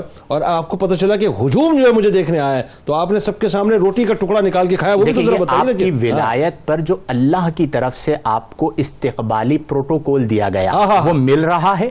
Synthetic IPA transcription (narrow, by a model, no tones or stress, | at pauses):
ɔːɾaːp̚kopɐt̪at͡ʃɐlakeɦʊd͡ʒuːmd͡ʒoːɦɛmʊd͡ʒʱed̪eːkʰneaːjaɛ | t̪oaːpnesɐb̚kesaːmneɾoːʈikaʈʊkɽanɪkaːlkekʰaːjaob̪eːit̪õzɐɾabɐt̪aːakkiʋɪla̰ːjət̪̚pɐɾd͡ʒoːɐlːaːɦkit̪ɐɾəfseʔaːpkoʔɪst̪ɪqba̰ːlipɾoːʈokɔːld̪ija̰ɡɐja̰ɦaɦaʋomɪlɾɐɦaɦɛː